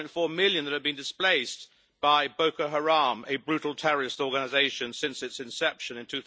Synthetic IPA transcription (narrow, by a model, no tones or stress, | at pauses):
ɪ̃ntfɔɹmɪlˠjɨ̃nðɨt̚hɨvbɨ̃ndɨspleɪs | b̥aɪboʊkəɦəɹɑ̃mɨbɹʉɾl̩ˠtʰɛɹəɹɨstɔɹɡənɨzeɪʃɨ̃nsɪ̃nsɨtsɨ̃nsɛpʃɨ̃nɨ̃ntʰʉ